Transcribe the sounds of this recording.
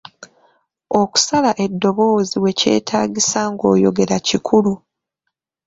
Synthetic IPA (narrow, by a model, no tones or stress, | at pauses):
o̞ku̥salaʔe̞dːo̞βo̞ːziwe̞ce̞̰ːtʰaːɟisaŋɡo̞̰ːjo̞ɡe̞ɾacikʰulu